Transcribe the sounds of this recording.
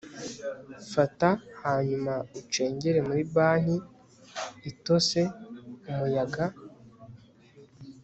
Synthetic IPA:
fatahaɲumaut͡ʃe̞ːɲɟe̞ɾe̞muɾibaːn̥iː | to̞se̞umujaɡa

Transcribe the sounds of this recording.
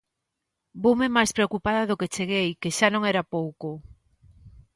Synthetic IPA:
bowmemajspɾeokupaðɐðoket͡ʃeɣejkeʃanõŋɛɾapowko

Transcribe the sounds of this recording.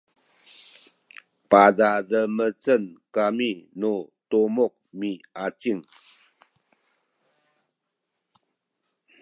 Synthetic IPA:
padadəmət͡sənkaminutomok̚miat͡siŋ

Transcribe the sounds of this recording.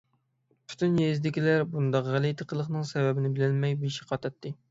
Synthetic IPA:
pʰy̥t̪ʰynjezd̪ɪkʲʰilæɾbund̪ɑqʁælit̪ʰəqʰəlˠəχnɨŋsɛvɛbɪnɪbɪlɪnmɛjbiʃi̥qʰɑt̪ʰɑt̪ːɨ

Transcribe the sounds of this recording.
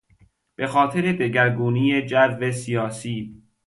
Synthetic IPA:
b̥e̞xɒːt̪ʰeɾe̞d̪eɟæɾɡuːniːjed͡ʒæɾvesijɒːsiː

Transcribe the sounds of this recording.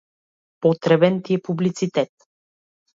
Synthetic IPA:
pɔt̪ɾɛbɛnt̪iɛpublit̪sit̪ɛt̪

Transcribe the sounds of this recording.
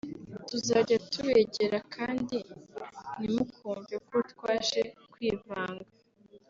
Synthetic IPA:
tuzaːɟatʰuβeɟe̞ɾakʰaːndi | nimukʰuːɱvekutkwaːʃe̞kwiːvaːŋɡa

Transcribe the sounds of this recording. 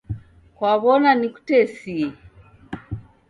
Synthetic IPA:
kwaβɔnaniku̥tɛsi

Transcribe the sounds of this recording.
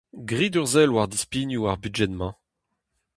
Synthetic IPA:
ɡʁid̪yʁzɛlwaʁd̪ispiːnjuaʁbyʒɛnmɑ̃

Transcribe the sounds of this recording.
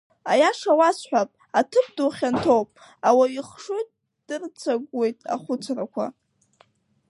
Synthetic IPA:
ajaʂawasħʷᶣapʼ | atʰɨp̚ʰduχʲantʰowpʼ | awaiχʂɨtʼ | d̥ɨrt͡sʰaɡʷwe̞jtʼa̰χʷʊt͡sʷʰrakʷʰa̰

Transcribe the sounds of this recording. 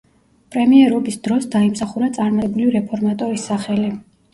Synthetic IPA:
pʼɾɛmiɛɾɔbisd̪ɾɔsd̪aimsaχuɾat̪sʼaɾmat̪ʼɛbuliɾɛpʰɔɾmat̪ʼɔɾisːaχɛli

